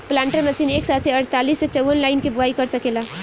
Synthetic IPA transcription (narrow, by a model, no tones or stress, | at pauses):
plãːɳʈəɾmɐsiːneːksaːt̪ʰseɐɾt̪aːliːsːet͡ʃəwʋənlaːɪnkibʊaːikɐɾsɐkeːlaː